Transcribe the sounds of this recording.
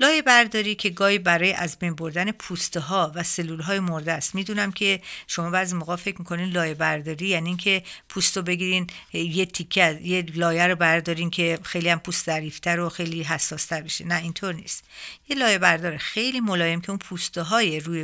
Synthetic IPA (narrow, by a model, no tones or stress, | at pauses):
lɒːje̞bæɾd̪ɒːɾiːcʰe̞ɡɒːhiːbæɾɒːjeʔæzbejnboɾd̪æne̞pʰuːst̪eɦɒːvæse̞lːuːlɦɒːjemoɾd̪æst̪miːd̪uːnæmkʲʰe̞ʃomɒːbæːɾzimoɣɒːfe̞kcʰmikʰo̞ninlɒːjebæɾd̪ɒːɾiːjæniːncʰe̞pʰust̪obe̞ɡiːɾinjet̪ʰikʰːejelɒːjæɾobæɾd̪ɒːɾiːncʰe̞xe̞jliæmpʰuːst̪zæɾift̪ʰæɾoxe̞jliːɦæsːɒːst̪ʰæɾbe̞ʃenæint̪ʰoɾnḭːst̪jelɒːje̞bæɾd̪ɒːɾexejliːmolɒːje̞mcʰe̞unpʰuːst̪eɦɒːjeɾuːje